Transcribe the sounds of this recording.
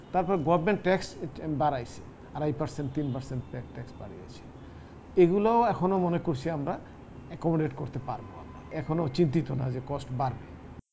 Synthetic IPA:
t̪aɾpɔɾeɡɔbmeɳʈːɛksbaɾajse̥̰ | aɾajpaɾseɳʈt̪inpaɾseɳʈpɛʈɛksba̰ɽia̰t͡ɕʰi̥ | eɡulaoɛkʰɔnomɔnekoɾsʰiamɾa | kɔmoɖeʈkoɾt̪epaɾboa̰mɾa̰ɛkʰɔnot͡ɕint̪it̪ona̰zekɔsʈbaɾbe

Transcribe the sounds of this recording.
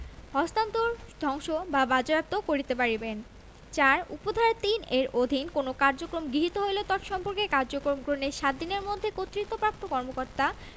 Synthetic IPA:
hɔst̪ant̪uɾd̪ʱɔŋʃobabad͡ʑoap̚t̪okoɾit̪epaɾiben | t͡ɕaɾṵpod̪ʱaɾt̪ineɾod̪ʱinkonokaɾd͡ʑokɾomɡɾiɦit̪oɦojlot̪ɔʈʃɔmpoɾkekaɾd͡ʑokɾomɡɾoneʃat̪̚d̪ineɾmod̪ʱːekot̪ːɾit̪ːopɾap̚t̪okɔɾmokoɾt̪a

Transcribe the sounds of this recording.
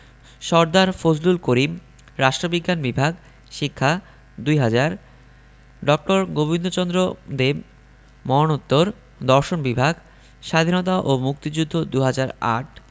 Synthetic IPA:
ʃɔɾd̪aɾfod͡ʑlulkoɾim | ɾaʃʈɾobiɡːanbibʱaɡ | ʃikʰːa | d̪ujɦad͡ʑaɾ | ɖɔk̚ʈoɾɡobind̪ot͡ɕɔnd̪ɾod̪eb | mɔnot̪ːoɾ | d̪ɔɾʃonbibʱaɡ | ʃad̪ʱinot̪̬aʔomuk̚t̪id͡ʑud̪ʱːod̪uɦad͡ʑaɾa̰ʈ̚

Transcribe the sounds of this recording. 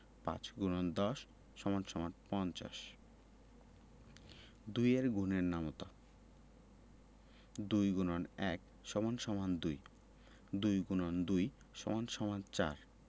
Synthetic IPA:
pã̰t͡ɕɡunond̪ɔʃː | ɔmanʃɔmanpɔnt͡ɕa̰ʃ | d̪ujeɾɡʱuneɾnamot̪a | d̪ujɡunonɛk | ʃɔmanʃɔmand̪uj | d̪ujɡunond̪uj | ʃɔmanʃɔmant͡ɕa̰ɾ

